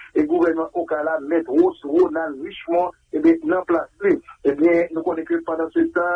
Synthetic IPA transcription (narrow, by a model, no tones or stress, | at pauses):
eɡuvɛnmãʔokalamɛt̪osʁonalʁiʃmã | ebjɛ̃nãplasliebjɛ̃nũkonɛ̃køpãd̪ãset̪ã